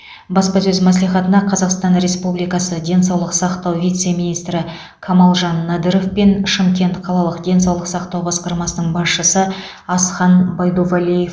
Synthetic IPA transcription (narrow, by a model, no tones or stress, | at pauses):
bɑspɑsɵzmæs̬lˠijχɑt̪ənɑqʰɑzɑqst̪ɑnɾe̞spublijkɑsəd̪ʲe̞nsɑwlˠəqsɑqt̪ɑwvʲijt̪se̞minijst̪ɾɪ | kʰɑmɑlˠʒɑnːɑd̪əɾo̞fpenʃɪmkʲe̞nt̪qʰɑlˠɑlˠəqd̪ʲe̞nsɑwlˠəqsɑqt̪ɑwbɑsqɑɾmɑsənəɴbɑsʃəsə | ɑsχɑnbɑjd̪ovalijef